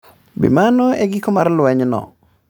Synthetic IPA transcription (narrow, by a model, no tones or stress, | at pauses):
bḭmanoeɡikɔmaɾlʊweɲnɔ̰